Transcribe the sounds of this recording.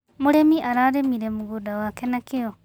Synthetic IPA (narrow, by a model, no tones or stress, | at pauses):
muɾemiʔaɾaɾemiɾemuɣudawaːkɛnakeo